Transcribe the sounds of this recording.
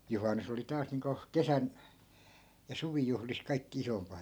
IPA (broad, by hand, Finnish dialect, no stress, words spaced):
juhɑnːus oli tɑːs niːŋko kesæn jɑ suʋijuhlis kɑi̯kːi isompɑ